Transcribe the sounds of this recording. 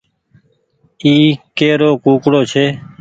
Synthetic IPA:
iːkeːɾoːkuːkɽoːt͡ʃʰeː

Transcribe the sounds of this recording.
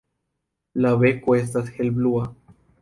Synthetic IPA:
laβekwes̬t̪asxelblua

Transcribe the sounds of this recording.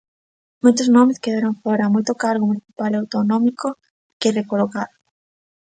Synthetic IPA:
mojt̪oznɔmɪskeðaɾoŋfɔɾamojt̪okaɾɣomuniθi̥palawt̪onɔmiko | kerekolokaðo

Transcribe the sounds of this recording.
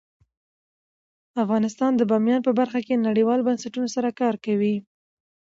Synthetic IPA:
afɣɑnɪst̪ɑnd̪əbɑmjɑnpəbaɾxakenaɽewɑlobansaʈunosaɾakɑɾkawi

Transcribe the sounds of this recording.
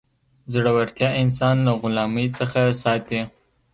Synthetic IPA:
zɽawaɾt̪jɑɪns̬ɑnlaɣʊlɑməjt͡səxasɑt̪e

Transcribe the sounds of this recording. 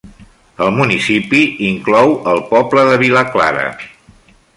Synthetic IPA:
əlˠmunisipiiŋklɔwəlˠpɔbləðəβ̞iləkla̰ɾə̰

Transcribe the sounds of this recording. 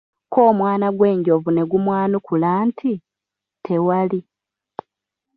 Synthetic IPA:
ko̞ːmwaːnaɡwe̞ːɲɟovune̞ɡumwaːnukulaːntʰi | tʰe̞wali

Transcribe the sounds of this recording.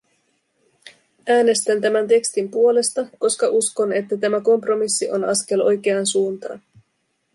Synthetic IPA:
æːne̞st̪ænt̪æmænt̪̬e̞kst̪impuo̞le̞st̪ɑko̞skɑʔusko̞ne̞t̪ːæt̪æmæko̞mpro̞misːiʔo̞̰nɑ̰sk̟e̞lo̞̰jk̟e̞ɑnsuːnt̪ɑ̰ːn

